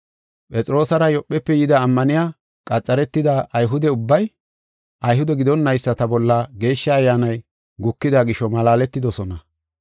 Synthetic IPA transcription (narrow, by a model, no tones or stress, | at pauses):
pʼɛt͡sʼɪɾo̞ːsɐɾɐjɔpʼːɛpːɛjɪd̪ɐːmːɐnɪjaː | kʼɐt͡sʼːɐɾɛt̪ːɪd̪ɐʔːjɦʊd̪ɛʊbːɐj | ʔɐjɦʊd̪ɛɡɪd̪ɔnːɐjsːɐt̪ɐbɔlːɐɡe̞ːʃːɐːjːaːnɐj | ɡʊkːɪd̪ɐɡɪʃːɔmɐlaːlɛt̪ːɪd̪ɔsɔnɐ